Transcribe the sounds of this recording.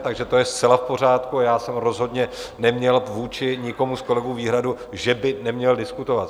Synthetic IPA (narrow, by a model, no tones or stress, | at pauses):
t̪aɡʒɛt̪o̞jɛst̪t͡sɛlafpo̞r̝aːt̪kuajaːsɛmɾo̞zɦo̞dɲɛnɛmɲɛlvuːt͡ʃɪɲɪko̞musko̞lɛɡuːviːɦɾadu | ʒɛbɪnɛmɲɛldɪskut̪o̞vat̪